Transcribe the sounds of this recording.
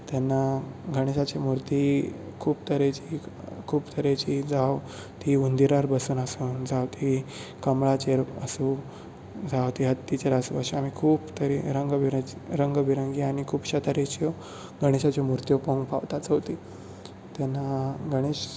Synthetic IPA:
t̪jɛnːaɡəɽ̃eɕat͡ɕemuɾt̪i | kʰuːbt̪əɾet͡ɕi | kʰuːpt̪ʰəɾet͡ɕid͡zʱaw | t̪iund̪iɾaɾbəsuːnasuːnd͡zʱawt̪ʰikəmɭat͡ɕeɾə̰su | d͡zʱawt̪iɦət̪ːit͡ɕeɾasuaɕeam̤ikʰuːpt̪əɾiɾəŋɡʋiɾɾəŋɡbiɾəŋɡiaɽ̃ikʰuːpɕət̪aɾet͡ɕiɔ | ɡəɽ̃eɕat͡ɕɔmuɾt̪jɔpõŋɡpaʋt̪at͡sɦot̪iː | t̪ɛnːaɡəɽ̃eɕ

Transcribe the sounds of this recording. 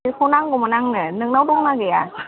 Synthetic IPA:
ɯkʰonaŋkɔmanaŋnɯnɯŋnawduŋnakeja

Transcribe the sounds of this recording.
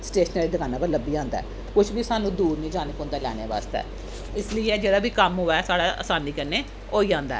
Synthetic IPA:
sʈeːʃneːɾiːd̪əkãːnaːpəɾləbiːãːnd̪a̰ː | kʊt͡ʃʰbiːsaːnũːd̪uːɾnĩːd͡ʒaːnəkɔ̃ːnd̪aːlɛ̰ːnḛːʋa̰ːst̪ɛ̰ː | ɪsləiːɛːd͡ʒeːɽaːbiːkəmɦoːaːsaːɽaːə̰saːnːiːkəɾneː | oːiːãːnd̪a̰ː

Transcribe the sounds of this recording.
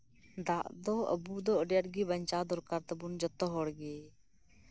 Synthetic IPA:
d̪aʔd̪ɔə̰bud̪ɔɔɖjaʈɡibəɲt͡ʃad̪ɔɾkaɾt̪əbund͡ʒɔt̪ɔɦɔɽɡe

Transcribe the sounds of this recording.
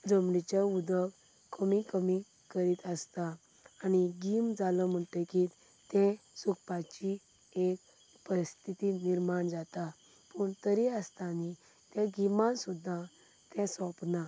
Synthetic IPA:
d͡zəmɽit͡ɕaud̪əʋ | kəmikəmi | kəɾiːt̪əst̪aː | niɡimd͡zaləm̤əʈ̪eki | t̪ɛ̃sukpat͡ɕi | ek | pəɾist̪ʰit̪iniɾmaɳd͡zat̪a | puɳt̪əɾiəst̪ani | t̪ɛ̃ɡimansud̪ʱːa | t̪ɛ̃sɔ̃pna

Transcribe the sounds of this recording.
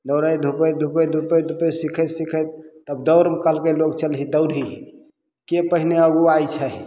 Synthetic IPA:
d̪əwɾəjd̪ʱupəjd̪ʱupəd̪ʱupəjd̪ʱupəsikʰəsikʰəjt̪̚t̪əb̚d̪əʊɾmkəlkeloɡt͡ʃəlɦid̪əʊɾʱɦiɦ | kepəɦineəɡuajt͡ʃʰəɦi

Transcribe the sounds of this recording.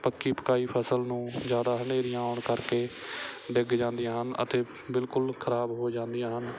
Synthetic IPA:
pəkːiːpə̥kaːiːpʰəsəlnũːd͡ʒjaːd̪aːɦəɳeːɾĩːaːʊɳkəɾkeːɖɪɡd͡ʒãːnd̪ijãːɦənə̰t̪eː | bɪlkʊlkʰəɾaːbɦoːd͡ʒãːnd̪ɪijãːɦən

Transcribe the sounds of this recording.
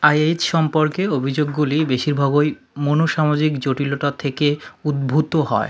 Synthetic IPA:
ajajt͡ɕʃɔmpoɾkeobʱid͡ʑoɡːulibeʃiɾbʱaɡoj | monoʃamad͡ʑikd͡ʑoʈiloʈat̪ʰekeud̪̚bʱut̪oɦɔ̰e

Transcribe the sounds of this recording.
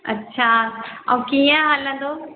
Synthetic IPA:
ɐ̰tːɕʰaːɔ̰̃kiːə̃ɦaːlə̃nd̪oː

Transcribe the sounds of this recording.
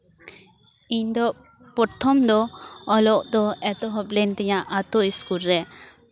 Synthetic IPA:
iɲd̪ɔ | pɔɾt̪ʰɔmd̪ɔɔlɔʔd̪ɔɛt̪ɔɦɔplɛnt̪ɛɲaʔat̪ɔiskulɾɛ

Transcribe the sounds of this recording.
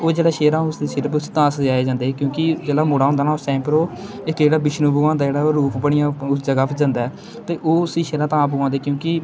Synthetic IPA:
oːd͡ʒeːɽaːʃeːɾãːʊsd̪iːsɪɾəpːʊst̪ãːsd͡ʒaːeːd͡ʒãːnd̪eːɛːkjõːkɪd͡ʒeːɽaːmoːɽaːɦõnd̪aːnaːoːsɛ̃ːmpɾoː | ɪkd͡ʒeːɽaːbɪʃnũːbʊɡãːnd̪aːd͡ʒeːɽaːoːɾuːpbəɽɪjãːʊsd͡ʒəɡaːpʰːd͡ʒãːnd̪aːɛː | t̪eːʔoːsĩːʃeːɾãːt̪ãːbʊɡãːnd̪eːkjõːkɪ

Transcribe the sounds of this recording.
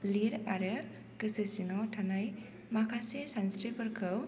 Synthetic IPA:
liɾaɾɯ | kɯsɯsinɔtʰanaj | makʰasesansɾipəɾkʰɯw

